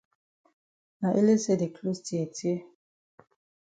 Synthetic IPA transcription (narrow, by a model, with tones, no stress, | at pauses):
na˨ʔe˦le˦se˦˨de˨kʰlu˦sti˨ɛ˨tʰje˦